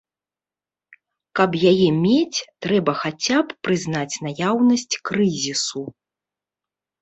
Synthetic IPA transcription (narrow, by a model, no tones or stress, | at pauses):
kɐpjajɛmʲet͡sʲt̪ɾɛbɐxat͡sʲapːɾɨzn̪at͡sʲnajawnɐsʲt͡sʲkɾɨzʲisu